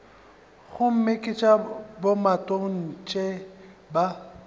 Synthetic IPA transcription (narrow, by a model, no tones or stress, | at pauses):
ɣʊm̩mɪkʼɪt͡ʃʼabomatʼoŋ̩t͡ʃʼeba